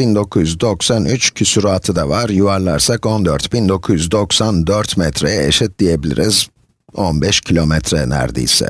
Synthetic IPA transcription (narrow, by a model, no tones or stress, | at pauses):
bind̪o̞kʰujyzd̪o̞ksanyt͡ʃcʰysyɾoat̪ʰɯd̪avaɾjuvaɾlˠa̰ɾsako̞nd̪øɾt̪bind̪o̞kʰujyzd̪o̞ksand̪øɾt̪mɛt̪ʰɾejɛḛʃɛt̪̚d̪ijebilʲḭɾiz | o̞nbɛʃcʰilʲomɛt̪ʰɾɛnæ̰ɾd̪ḛjsɪ̰